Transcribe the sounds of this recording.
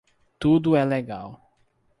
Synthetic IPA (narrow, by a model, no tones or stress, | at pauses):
t̪ud̪ʊɛleɡaw